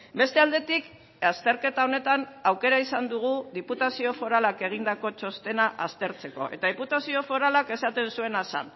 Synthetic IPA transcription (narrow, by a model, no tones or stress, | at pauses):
be̞st̪eald̪e̞t̪ik | ast̪e̞ɾke̞t̪ao̞ne̞t̪anawke̞ɾaisand̪uɣ̞uðiput̪asio̞fo̞ɾalake̞ɣ̞ind̪ako̞t͡ʃo̞st̪e̞naʔast̪e̞ɾt͡se̞ko̞̰ʔe̞̰t̪aðiput̪asio̞fo̞ɾalake̞sat̪e̞nsue̞nasa̰n